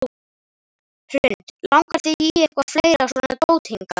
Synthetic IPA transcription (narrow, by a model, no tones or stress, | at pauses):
hʰɾʏnt̪lawŋkaɾ̥t̪iiɛkvafleːjɾasɔnaðpoːwt̪hiŋka